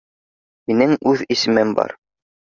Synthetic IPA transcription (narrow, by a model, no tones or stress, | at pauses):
hinɘŋʉðisɘ̆mɘmbɑ̰ɾ